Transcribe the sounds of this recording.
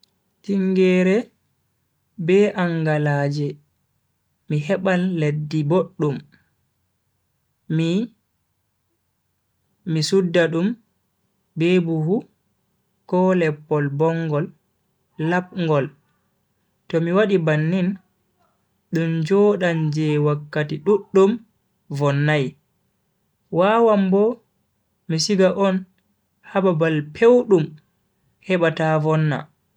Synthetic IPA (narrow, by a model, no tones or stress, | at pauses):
tiŋɡɛɾɛ | bɛʔaŋɡalaːd͡ʒɛ | miɦɛɓalːedːiboɗːum | misudːaɗum | bɛbuhu | kɔːlɛpːɔlbɔŋɡɔlː | ap̚ŋɡɔl | tɔmiwaɗibanːin | ɗumd͡ʒɔːɗand͡ʒɛwakːatiɗuɗːum | vɔnːaj | wawambɔ | misiɡaʔɔn | hababalpʰewɗum | hɛɓatavɔnːa̰